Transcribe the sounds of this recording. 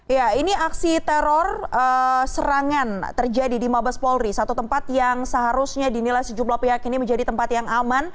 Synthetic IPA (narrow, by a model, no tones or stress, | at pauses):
jainiaksit̪ɛɾɔrəsəɾaŋant̪ərd͡ʒadidimabaspɔlɾisat̪ut̪əmpat̪̚jaŋsəɦaɾusɲadinilajsəd͡ʒumlahpiɦakiniməɲd͡ʒadit̪əmpat̪jaŋaman